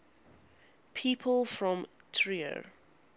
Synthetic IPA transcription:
pʰiːpʰəlˠfɹɔ̃mtʰɹiə̰ɹ

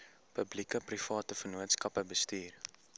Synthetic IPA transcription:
pəblikəprifɑːtəfənuətskɐpəbəstyːr

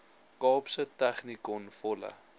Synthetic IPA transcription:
kɑːpsətæχnikɔnfɔlə̰

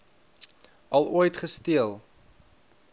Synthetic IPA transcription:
ɐlˠuəjtχəstiəlˠ

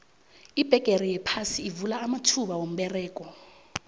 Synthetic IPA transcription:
ib̥ʱɛɡ̥ʱerijɛpʰasiːvulaːmatʰuɓawom̩ɓɛrɛːkʼɔ

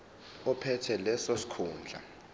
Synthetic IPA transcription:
ɔpʰɛtʰɛlɛsosi̥kʰuːnd͡ɮʱa̰

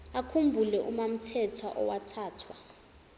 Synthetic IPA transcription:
akʰumbʱulɛʔumam̩tʰɛtʰaʔɔwatʰaːtʰwa

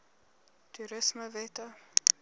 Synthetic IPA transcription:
tuɾəsməvɛtə

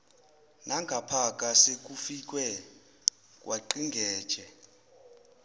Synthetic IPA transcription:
naŋɡʱapʰakʼasek̬ʼufik̬ʼwɛ | kʼwʔaǃiŋɡʱɛːd̥ʒ̥ʱɛ

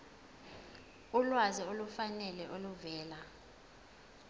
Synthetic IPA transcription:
ulwaziolufanɛlɛʔoluvɛːla

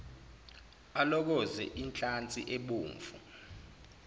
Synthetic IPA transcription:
alɔk̬ɔzɛ̰ʔint͡ɬʼant͡sʼiʔeɓuːɱfṵ

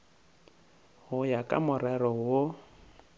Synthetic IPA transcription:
hʊjakʼa̰mʊrɛrɔwʊ

